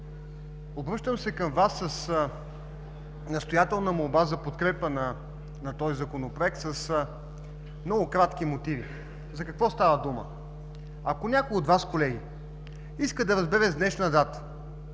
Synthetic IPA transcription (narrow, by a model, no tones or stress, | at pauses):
obɾɤʃt̪əmsɛkəmvasːəs | nɐst̪ojat̪ɛlˠnəmolˠbazɐpot̪kɾɛpənɐ | nɐt̪ɔizɐkonopɾoɛk̚t̪səs | mnɔɡʊkɾat̪k̟imot̪ivi | zɐkɐkvɔst̪avəd̪umə̰ | ɐkonʲakojiod̪vaskolɛɡ̟i | iskəd̪ɐɾəzbɛɾɛzd̪nɛʃnəd̪at̪ə̥